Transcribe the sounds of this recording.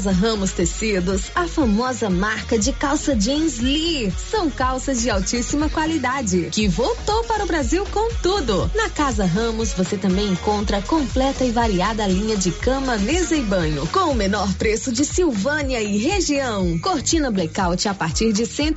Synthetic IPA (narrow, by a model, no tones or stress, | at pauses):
zɐɦɐ̃mʊst̪esid̪ʊsɐfamɔzɐmaɾkɐd͡ʒɪkawsɐd͡ʒẽzlisɐ̃w̃kawsɐzd͡ʒɪawt͡ʃisimɐkwalid̪ad͡ʒɪkɪvowt̪owpaɾɐʊbɾaziwkõw̃t̪ud̪ʊnɐkazɐɦɐ̃mʊsvoset̪ɐ̃mbẽj̃ẽŋkõnt̪ɾɐkõmplɛt̪ɐɪvaɾiad̪ɐlĩɲɐd͡ʒɪkɐ̃mɐnezɐjbɐ̃ɲʊkõw̃ʊmenɔɾpɾesʊd͡ʒɪsiwvɐ̃niɐɪɦeʒiɐ̃w̃koɾt͡ʃĩnɐblekawt͡ʃɪapaɾt͡ʃiɾd͡ʒɪsẽ